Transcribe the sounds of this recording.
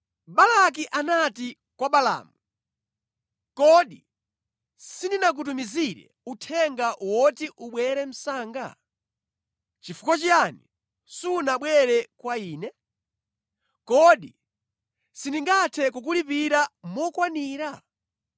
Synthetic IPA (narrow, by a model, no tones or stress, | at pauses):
ɓalak̬iʔanati | kwaɓala̰ːmu | kɔɗi | sindinak̬ut̬umiziɾɛ̰utʰɛŋɡaʔwɔtiʔuɓwɛɾɛm̩saːŋɡa̰ | t͡ʃifu̥kɔt͡ʃijani | suːnaɓwɛɾɛkwaiːnɛ | kɔɗi | siniŋɡatʰɛkuk̬ulipiɾamɔkwaniːɾa